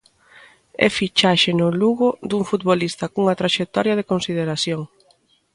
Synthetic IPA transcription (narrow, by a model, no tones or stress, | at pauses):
ɛ̰fit͡ʃaʃenʊluɣʊd̪uŋfut̪̚βolist̪ɐkuŋɐt̪ɾaʃek̚t̪ɔɾjɐð̞ekonsið̞eɾaθjoŋ